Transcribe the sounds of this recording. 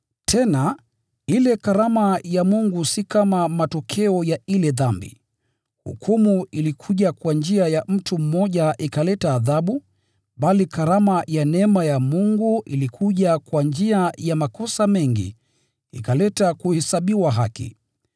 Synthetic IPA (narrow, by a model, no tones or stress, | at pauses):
tʰɛna | ilɛkaɾamajamuŋɡusikamamatɔkʰɛɔjailɛðambḭ | hṵkʰumuilikʰuʄakwand͡ʒiajam̩tum̩mɔʄaʔikalɛtaːðaɓu | ɓalikaɾamajanɛmajamuŋɡuʔilikʰuʄakwand͡ʒiajamakɔsamɛŋɡḭ | ḭkalɛtakuhɛsaɓiwaɦakḭ